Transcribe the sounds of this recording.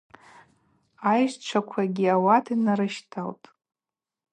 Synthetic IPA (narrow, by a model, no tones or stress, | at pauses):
ajʒt͡ʃʷʰakʷʰaɡʲiawatʰinaɾɨʃtʰaltʼ